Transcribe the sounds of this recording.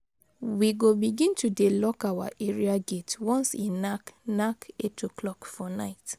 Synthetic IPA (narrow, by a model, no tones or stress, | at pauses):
wiɡobiɡĩntʰudelɔkawa̰ʔeɹiaɡetwɔ̃nsĩnːaknaketʰoklɔkfɔnaɪt